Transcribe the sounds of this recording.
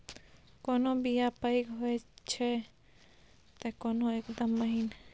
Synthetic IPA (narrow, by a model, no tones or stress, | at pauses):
konobijapəikɦoet͡ʃʰɛ | t̪ekonoekd̪əmːəɦin